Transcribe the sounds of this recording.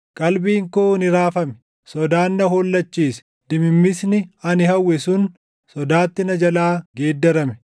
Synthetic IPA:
kʼɐlbiːŋkoːnɪɾaːfɐmɛ̥ | sɔd̪aːnːɐhoːlːɐt͡ʃːiːs | d̪̥ɪmɪmːɪsnɪɐnɪhɐwːɛsʊn | sɔd̪aːt̪ːɪnɐd͡ʒɐlaːɡeːd̪ːɐɾɐmɛ̥

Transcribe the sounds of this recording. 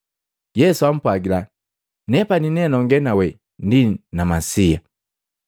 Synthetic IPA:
jɛsuam̩pwaɡila | nɛpaninɛnɔŋɡɛnawɛ | ndinamasia

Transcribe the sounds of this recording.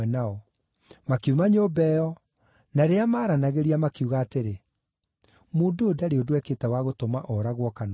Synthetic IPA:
ɛnaɔ | makiumaɲoːbɛːɔ | naɾeamaːɾanaɣeɾiamakiuɣaːteɾe | moːndoːdaɾeodwɛketɛwaɣotɔmaʔɔɾaɣwɔkan

